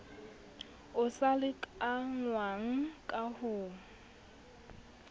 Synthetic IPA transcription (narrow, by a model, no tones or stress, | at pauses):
ʊsalɪkʼaŋwaŋ̩kʼahʊːŋ̩